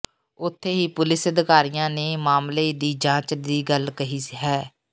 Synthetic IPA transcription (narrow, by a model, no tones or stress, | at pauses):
ʊt̪ʰːeːɦiːpʊlɪsəd̪kaːɾijãːneːmaːmleːd̪iːd͡ʒãːt͡ʃd̪iːɡəlkəɦiːɦɛː